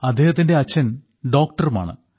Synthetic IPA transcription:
ɐd̪ʱːe̞ːhɐt̪ːinde̞ɐt͡ɕːɐn | ɖo̞ːkʈɐruma̰ːɳɨ̰

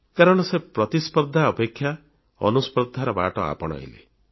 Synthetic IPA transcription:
kaɾɔɽ̃ɔsepɾɔt̪ispɔɾd̪ʱaɔpekʰːja | ɔ̰nuspɔd̪ʱaɾɔba̰ʈɔa̰pɔɽ̃ɔ̰j̰lḛ

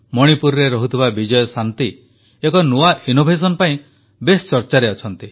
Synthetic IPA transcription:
mɔɽ̃ipuɾɔɾeɾɔɦut̪ʰibabid͡ʒɔjɔsant̪i | ekɔnuainobʱes̬ɔnɔpaĩ | best͡ʃɔɾt͡ʃaɾeɔt͡ʃʰɔnt̪i

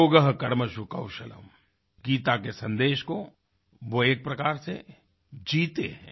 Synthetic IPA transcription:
oːɡəɦkɐɾməʃukɐwʃələ̰m | ɡiːt̪akesɐ̃nd̪eːʃko | ʋoeːk̚pɾɐkaːɾsḛ | d͡ʒiːt̪eɦɛ̃ː

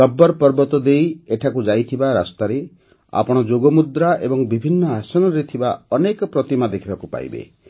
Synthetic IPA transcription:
kɔbːɔɾpɔɾbɔt̪ɔd̪ejeʈʰakud͡ʒajt̪ʰibaɾa̰st̪aɾe | a̰pɔɽ̃ɔd͡ʒoɡɔmud̪ɾaḛbɔŋbibʱinːɔasɔnɔɾet̪ʰibaɔnekɔpɾɔt̪imad̪ekʰibakupa̰jbḛ

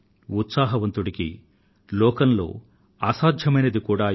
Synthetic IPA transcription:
ut̪saːɦɐʋɐnt̪uɽikḭ | lɔːkɐnlo̞̰ː | aːsaːd̪ʱjɐmɐjnɐd̪ikuːɽaː

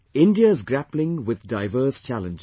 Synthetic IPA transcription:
ɪ̃ndiəɪzɡɾæplɪ̃ŋwɪðdaɪʋəːst͡ʃælə̃nd͡ʒ

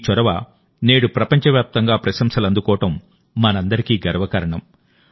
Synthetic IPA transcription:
t͡ʃɔɾɐʋɐ | ne̞ːɽupɾɐpɐɲt͡ʃɐʋjaːp̚t̪ɐŋɡaːpɾɐʃɐmsɐlɐnd̪ukɔːɐʈɐmː | ɐnɐnd̪ɐɾikiːɡɐɾɐʋɐkɐɾɐɳɐm

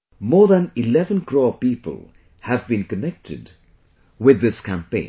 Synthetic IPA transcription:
mɔːðæ̃nɪlɛvə̃nkɾoːpiːpə̰lˠ | hævbĩnkənɛk̚tʰɪ̰d | wɪd̪ːɪskæ̃mpḛ̃ɪ̃n

